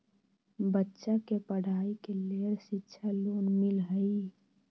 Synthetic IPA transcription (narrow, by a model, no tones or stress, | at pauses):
bətːʃakepəɽ̤ʱaːikeleːɾʃɪtːʃʰaloːnnmɪlɦəi